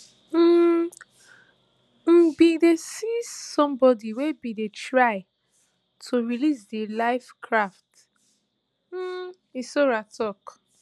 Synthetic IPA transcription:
m̩ | m̩bidesisɔ̃mbɔdiwebidetɹaɪ | tʰoɹilisdelaɪfkʰɹaft | isoɹatʰɔk

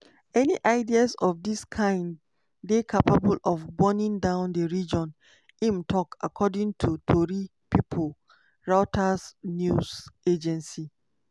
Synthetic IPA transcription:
ɛniʔaɪdiasɔfdiskʰãɪ̃nd | dekʰapabulɔvbɔnĩŋdãʊ̃ndəɹid͡ʒɔ̃n | ĩmtʰɔkʰa̰kʰɔdĩŋtʰutʰoɹipipʰol | ɹaʊtʰasnjuzed͡ʒɛ̃nsi

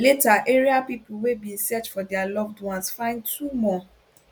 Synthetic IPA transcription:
letaʔeɹiapipowebĩsɛt͡ʃfɔdɛalɔvdwãsfãɪ̃ntʰumɔ̃

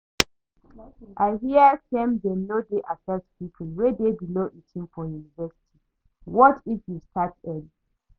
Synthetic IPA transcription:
ʔaɪhiəsɛ̃mdɛmodeʔasɛspipʰul̩wɛdebiloʔitʰĩnfɔjunivɛsi̥tʰi | wɔtʰifjustʰatɛli

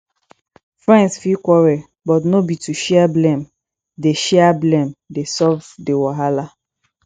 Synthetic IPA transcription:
fɹɛ̃ndsfikwɔɹɛ | bɔtnobituʃɛablɛ̃m | deʃɛablɛ̃mdesɔvdewɔɦala

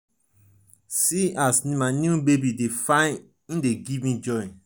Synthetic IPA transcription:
siasnĩmanjubebidefãɪ̃n | ĩndeɡivmĩd͡ʒɔ̃ɪ

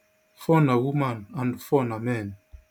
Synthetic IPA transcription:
fɔnawumanandfɔnamɛn

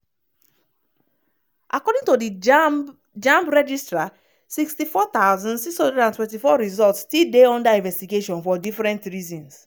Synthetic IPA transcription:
ʔakɔdĩŋtodi | d͡ʒãmpɹɛd͡ʒistɹa | sikstifɔt̪aʊzɔ̃ndsikshɔ̃ndɹɛdãntwɛ̃ntifɔɹizɔltstildeɔ̃ndaĩnvɛstiɡeʃɔ̃nfɔdifɹɛ̃ntɹizɔ̃ns

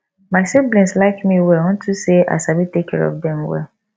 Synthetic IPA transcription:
maɪsiblɛ̃nslaɪkmĩwɛwɔ̃n̩tʰusea̰sabitekʰɛ̰ɹɔ̰fdɛ̃mwɛ̰l

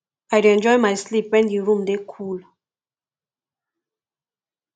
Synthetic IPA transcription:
ajɾuɛ̃nd͡ʒɔjmajslipɛ̃ndiɹũmdekʰul

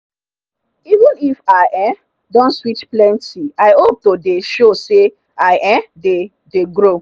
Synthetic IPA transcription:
ivə̃nifaɪʔɛ | dɔ̃nswit͡ʃplɛ̃ntʰiaɪhop̚todeʃose | aɪʔɛ̃de | deɡɹo

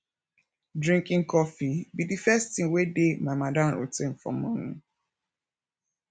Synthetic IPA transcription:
dɹĩŋkĩŋkɔfibidifɛstĩŋwedemamadãmɾo̰tẽn̩fɹɔ̰̃mũnũ

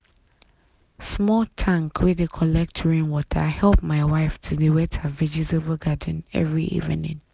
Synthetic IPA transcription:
smɔltʰãŋkʰwidekʰɔlɛk̚tʰɔɹĩnwɔtʰa̰hɛlp̚maɪwaɪftʰudewɛtʰavɛd͡ʒitebəlɡad̃n̩ɛ̰vɹiʔḭvɪ̰nḭ̃n

